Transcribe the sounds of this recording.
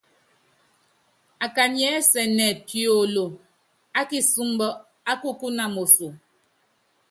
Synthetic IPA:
a˨ka˨ɲɛ˨˦sɛ˨nɛ˨tjo˨lo˨ | a˦ki˦su˦ŋ˦bɔ˦ | a˦ku˦ku˦na˨mo˨so˨

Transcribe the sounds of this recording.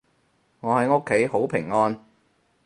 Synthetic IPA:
ŋɔː˨˧hɐ˨˥jo˥kʰːe˨˥jho˨˥wpʰɪ̰˨˩ŋːɔː˥n

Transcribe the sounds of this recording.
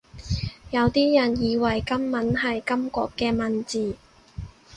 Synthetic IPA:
jɐ˨˧wt̪iː˥jɐ˨˩njiː˨˧wɐ˨˩jkɐ˥mːɐ˨˥nɦɐ˨jkɐ˥mkʷɔ̰ː˧kːɛː˧mɐ˨nt͡siː˨˩

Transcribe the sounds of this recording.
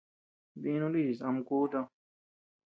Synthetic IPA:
bi˦nũ˦li˦˨sa˨mkuː˦ta˦

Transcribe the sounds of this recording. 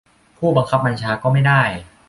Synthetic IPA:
pʰuː˥˩ba˧ŋkʰa˦˥p̚ba˧nt͡ɕʰaː˧kɔː˥˩ma˥˩jdaː˥˩j

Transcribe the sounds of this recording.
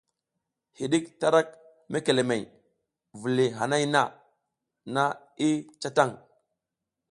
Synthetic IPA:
hi˨ɗi˦kta˦ɾa˦k̚ | me˦ke˨le˨me˨j | vu˨li˨ɦa˨na˦jna˦ | na˦ | i˦t͡ʃa˦ta˦˨ŋ

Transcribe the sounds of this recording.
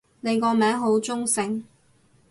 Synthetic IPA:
ne˨˧kɔː˧mɛː˨˥ŋɦo˨˥wt͡sʊ˥ŋsɪ˨ŋ

